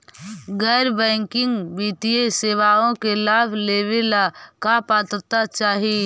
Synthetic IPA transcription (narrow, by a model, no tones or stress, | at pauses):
ɡɛːɾbɛ̃ːŋkɪ̃ŋɡbiːt̪ieseːʋaːõkelaːbʱleːʋɪlakapaːt̪ɾət̪at͡ʃaːɦi